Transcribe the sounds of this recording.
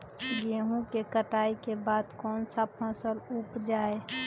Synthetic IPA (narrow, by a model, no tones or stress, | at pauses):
ɡeɦũkekəʈaːikebaːd̪kɔːnsapʰɔ̃səlupd͡ʒaːe